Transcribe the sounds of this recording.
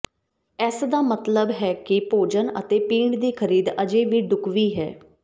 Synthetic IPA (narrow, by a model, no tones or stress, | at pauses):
ɛsd̪aːmət̪ləbɦɛːkɪpoːd͡ʒənə̰t̪eːpiːɳɖd̪iːkʰəɾiːd̪əd͡ʒeːʋiːɖʊkʋiːɦɛ̰ː